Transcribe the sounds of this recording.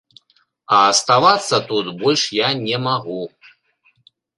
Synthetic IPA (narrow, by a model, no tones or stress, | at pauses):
ɐːst̪avat̪sːɐt̪ut̪bɔlʲʂjanʲɛmaɣu